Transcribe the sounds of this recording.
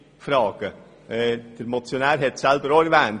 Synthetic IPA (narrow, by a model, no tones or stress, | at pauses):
fɾɑːɡ̥ə | ɛd̥əɾmɔt͡sjonæːɾɦɛtsɛlbəɾoɾʋæːn